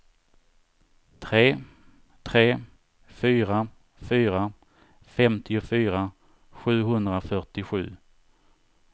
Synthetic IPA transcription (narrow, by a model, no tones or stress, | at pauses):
t̪ʰɾeː | t̪ʰɾeː | fyːɾa | fyːɾa | fɛmt̪ʰɪʊfyːɾa | ɧʉ̟ːɦɵnd̪ɾafœʈɪɧʉ̟ː